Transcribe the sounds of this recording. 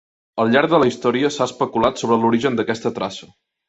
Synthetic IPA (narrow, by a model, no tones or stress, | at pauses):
əlˠʎaɾɡ̚d̪ələist̪ɔɾiəsaəspəkulat̪soβɾəluɾiʒənd̪əkɛst̪ət̪ɾasə̥